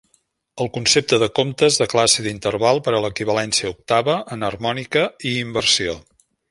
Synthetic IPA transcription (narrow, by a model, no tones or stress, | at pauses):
əlˠkunsep̚t̪əðəkomt̪əzðəklasiðint̪ərβalˠpəɾələkiβəlɛnsiəuk̚t̪aβəʔənərmɔnikəiːmbərsio